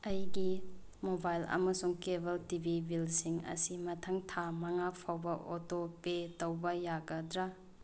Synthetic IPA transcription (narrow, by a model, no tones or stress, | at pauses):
ɐjɡi | mobajlɐ̰mɐsuŋkebʱɐltibʱibilsiŋɐ̰simɐtʰɐŋtʰamɐŋapʰawbɐʔotopetɐwbɐjaɡɐdɾɐ